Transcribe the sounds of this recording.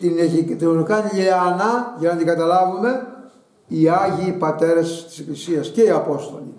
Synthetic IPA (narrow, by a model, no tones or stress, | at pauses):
t̪inet̪inolukɐnleɐnɐʝɐnɐt̪iɡɐt̪ɐlɐvume̞ | iɐʝiːpɐt̪e̞ɾɐst̪i̥seklisiɐsce̞iɐpo̞st̪o̞̰li